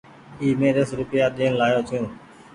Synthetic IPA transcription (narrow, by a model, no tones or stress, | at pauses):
iːmeːɾəsɾʊpɪjaːɗ̪iːənlaːjoːt͡ʃ̪ʰũː